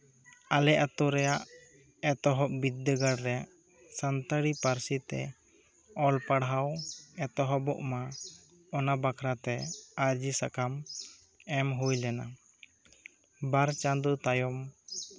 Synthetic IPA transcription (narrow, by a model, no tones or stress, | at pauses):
alɛʔat̪ɔɾɛjaʔ | ɛt̪ɔɦɔʔbid̪ːəɡaɾɾɛʔ | sant̪aɽipaɾsit̪ɛ̰ | ɔlpaɽɦawɛt̪ɔɦɔbɔʔma | ɔnabakʰɾat̪ɛaɾd͡ʒisakʰam | ɛmɦujlɛna̰ | baɾt͡ʃand̪ut̪ajɔm